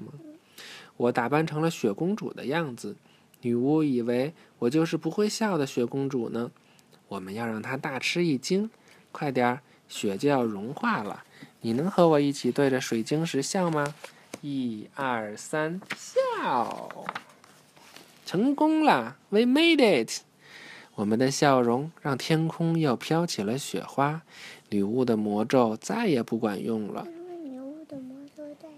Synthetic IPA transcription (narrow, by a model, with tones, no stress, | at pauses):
wɔ˧˩t̪a˨˩pa˥˩nʈ͡ʂʰɤ˧˥ŋlə˧ɕɥɛ˧˥kʊ˥ŋʈ͡ʂṵ˨˩d̪ə̰˦jɑ˥˩ŋd͡zɹ̩˨˩ | ny˨˩u˥˩i˨˩we˧˥ɪwɔ˨˩t͡ɕjo˥˧ʊʂɻ̩˥˩pu˧˥xwe˥˧ɪɕjɑ˥˩ʊd̪ə˩ɕɥɛ˧˥kʊ˥ŋʈ͡ʂṵ˨˩nə˦ | wɔ˨˩mə˦njɑ˥˧ʊɻɑ˥˩ŋt̪ʰa˥t̪a˥˩ʈ͡ʂʰɻ̩˥i˥˩t͡ɕi˥ŋ | kʰwa˥˩ɪt̪jɑ˧˥ | ɕɥɛ˧˩t͡ɕjo˥˧ʊjɑ˥˩ʊɻʊ˧˥ŋxwa˥˩lə̰˩ni˨˩nɤ˧˥ŋxɤ˧˥wɔ˨˩i˥˩t͡ɕʰi˨˩t̪we˥˩ɪʈ͡ʂə˩ʂwe˨˩ɪt͡ɕi˥ŋʂɻ̩˧˥ɕjɑ˥˩ʊmɐ˧ | i˥˧ɐ˥˧˩sa˥nɕjɑ˥˩ʊ | ʈ͡ʂʰɤ˧˥ŋkʊ˥ŋlə˨we˧˥ɪme˥ɪd̪e˥˩tʰ | wɔ˨˩mə˦nd̪ə˧ɕjɑ˥˩ʊɻʊ˧˥ŋɻɑ˥˩ŋt̪ʰjɛ˥nkʰʊ˥ŋjo˥˩ʊpʰjɑ˥ʊt͡ɕʰi˨˩lə˦ɕɥɛ̰˨˩xwa˥ly˨˩u˥˩d̪ə˩mwɔ˧˥ʈ͡ʂo˥˧ʊt͡sa˥˩ɪjɛ˨˩pu˥˩kwa̰˨˩njʊ˥˩ŋlə̰˩